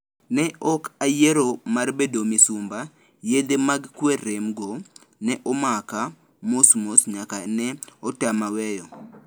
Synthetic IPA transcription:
nɛʔɔkajeɾomarbedomisumba | jed̪emaɡkweɾemɡo | nɛʔɔmaka | mosmosɲakanɛɔtamawɛjɔ

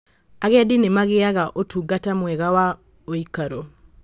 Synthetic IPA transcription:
aɣɛdinemaɣeaɣaʔotuɡatamwɛɣawa | oikaɾo

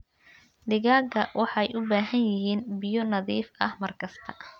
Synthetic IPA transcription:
d̪ɪɣaːɡɐwɑħɑjʔʊbaːɦɐnjɪɦiːnbɪjɔnɐðiːfɐhmɐrkʰɐst̪ʰɐ̥

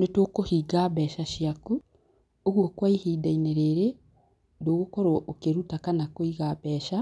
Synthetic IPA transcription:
netokohiɡaβɛʃaʃjaku | oɣwokwaihiːdaineɾeɾe | doɣokoɾɔʔokeɾutakanakoiɣabɛːʃa

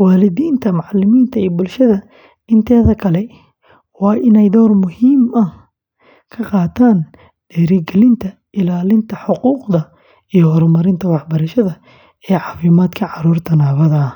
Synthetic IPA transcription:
waːlɪðiːnt̪ʰɐmʊʕɑlɪmiːnt̪ʰɐijbʊlʃɐðɐ | ɪnt̪ʰɛːðɐkʰɐlɛ | wɑːʔɪnɛjd̪ɔːrmʊhiːmɐh | kʰɐqɑːt̪ʰaːn | d̪̥ɛːɾiɡɛlɪnt̪ʰɐ | ʔɪlaːlɪnt̪ʰɐħʊquːqd̪ɐ | ijɔhɔɾmɐɾɪnt̪ʰɐwɑħbɐɾɐʃɐðɐ | ɛːʕɑːfiːmaːd̪kʰɐʕɑɾuːrt̪ʰɐnaːβɐðɐ

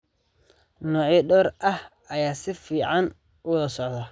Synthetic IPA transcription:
nɔːʕiːɖɔːɾɐh | ɐjaːsɪfiːʕɑn | ʊðɐsɔʕðɐ

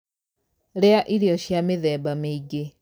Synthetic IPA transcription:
ɾeaʔiɾiɔɕjameðɛːbameiɡe

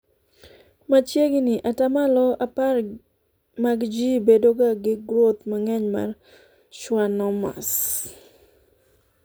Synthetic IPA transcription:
mat͡ʃjeɡinɪʔatamalɔapar | maɡd͡ʒibedoɡaɡɪɡɾot̪maŋɛɲma̰r | ʃwanɔma̰s

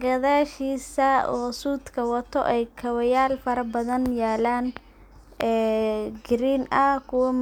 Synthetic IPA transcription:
ɡɐðaːʃiːsɐɔːsuːd̪kʰɐwɐt̪ʰɔ̰ʔɛjkʰɐwɐjaːlfɐɾɐbɐðɐnjaːlaːn | ɛːɡɪɾiːnɐkʰʊwɐm

